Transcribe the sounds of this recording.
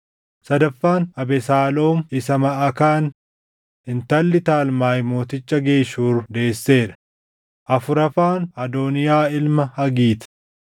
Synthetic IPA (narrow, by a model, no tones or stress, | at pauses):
sɐd̪ɐfːaːnɐbɛsaːlo̞ːmɪsɐmɐʔɐkaːn | ɪnt̪ɐlːɪt̪aːlmaːjmo̞ːt̪ɪt͡ʃːɐɡe̞ːʃuːɾd̪e̞ːsːe̞ːɾɐ̥ | ʔɐfʊɾɐfaːnɐd̪oːnɪjaːɪlmɐhɐɡiːt̪